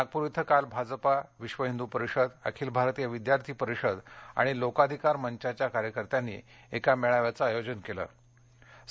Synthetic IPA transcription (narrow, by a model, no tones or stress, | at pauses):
aɡ̚puɾit̪ʰəkalbʱad͡zpaʋiɕʋəɦind̪upəɾiɕəd̪ə̰kʰiːlbʱaɾt̪ijaʋid̪jaɾt̪ʰiːpəɾiɕəd̪a̰ɽ̃ilokad̪ʱikaɾməɲt͡ɕat͡ɕjakaɾjəkəɾt̪janːḭː | ekameɭaʋjat͡səajod͡ʑənkelə̰ː